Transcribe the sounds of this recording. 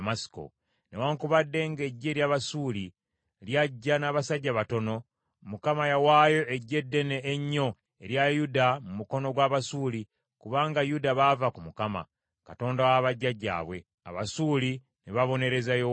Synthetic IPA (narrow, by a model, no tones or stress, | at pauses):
masi̥ko̞̰ | ne̞waŋkuβadːe̞ŋɡe̞ɟːe̞ɾjaβasuːli | ljaɟːanaːβasaɟːaβato̞no̞ | mukamajawaːjo̞ʔeɟːe̞dːeneːɲːo̞ | e̞ɾjajudamumuko̞no̞ɡwaːβasuːli | kuβaːŋɡajudaβavakumukama̰ | kato̞ːndawaβaɟːaɟːa̰ːβwe̞̰ | a̰βasuːli | neβaβo̞ne̞ɾe̞zajo